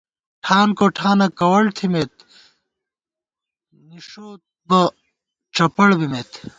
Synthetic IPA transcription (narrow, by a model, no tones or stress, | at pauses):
ʈʰaːnkoːʈʰaːnɐkɐwɐɭt̪ʰimet̪̚ | niʂoː | bɐ | t͡ʃɐpɐɽbimeːt̪